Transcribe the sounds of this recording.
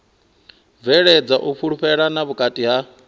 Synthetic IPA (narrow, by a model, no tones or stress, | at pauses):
vɛɺɛd͡zaʔuɸʰuɺuɸɛɺanaβukʼatʼiɦa